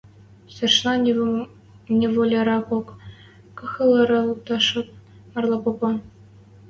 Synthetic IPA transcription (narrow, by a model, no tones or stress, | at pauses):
sĕrʂnɑ | nʲevolʲeɾɑkok | kɤ̆xɤ̆lˠɤ̆ɾɤ̆lˠuk̚t̪ɑʂɤ̆t̚ | mɑrlˠɑpopɑ